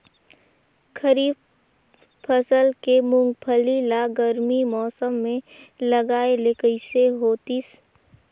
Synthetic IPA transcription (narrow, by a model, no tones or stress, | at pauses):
kʰəɾiːb̚ | pʰəsəlkemʊ̃ŋɡ̚pʰəlilaɡəɾmimɔːsəmːẽlɐɡaːelekəɪseɦoːt̪is